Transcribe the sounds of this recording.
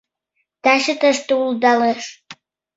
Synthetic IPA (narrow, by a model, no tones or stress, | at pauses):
t̪ɑʃət̪əʃt̪əuld̪ɑleʃ